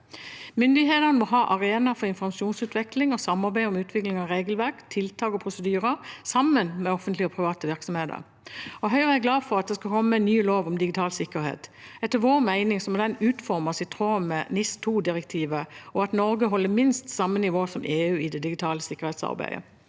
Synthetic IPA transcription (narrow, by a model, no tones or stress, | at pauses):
mʏnd̪ɪɦeːt̪ənəmɔɦɑːʔɑʁeːnɑfɔʁɪnfɔʁmɑʃuːnsʉːt̪ʰʋɛklɪŋɔsɑmːɑʁbæɪɔmʉːt̪ʰʋɪklɪŋɑɾeːɡəlʋæʁkt̪ʰɪlt̪ʰɑːkɔpʰʁʊsəd̪yːʁəsɑmːənmɛɔfənt̪lɪɔpʰʁɪʋɑːt̪əʋɪʁksɔmheːd̪ə̰ʁ | ɔɦœʏʁæɡlɑːfɔʁɑt̪̚d̪ɛskɑlkʰɔmːəɛnnyːloːʋɔmd̪ɪɡɪt̪ʰɑːlsɪkːəɾhḛːt̪ɛt̪ːəʋoːʁmæɪnɪŋsɔmɔd̪ɛnʉːt̪fɔʁmɑsɪt̪ʰʁoːmːɛnɪst̪ʰuːd̪ɪʁɛk̚t̪ʰiːʋəɔɑt̪nɔɾɡəɦɔlːəmɪnst̪sɑmːənɪʋoːsɔmʔeːʉːɪd̪ɛd̪ɪɡɪt̪ʰɑːləsɪkːəʁheːt̪sɑ̰ʁbæ̰ɪə̰